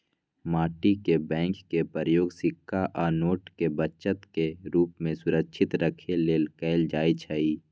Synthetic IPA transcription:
maːʈikebɛ̃ːŋkːepəɾəjoːɡsɪkʰːaʔɔːnoːʈkebət͡ʃət̪keɾuːp̚mẽsʊɾəkʃʰɪt̪ɾəkʰeleːlkɛːɪld͡ʒaːit͡ʃʰaiː

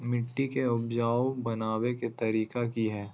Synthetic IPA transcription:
mɪʈːikeʊbd͡ʒaːwbɐnaːweket̪ɐɾiːkakiɦɛː

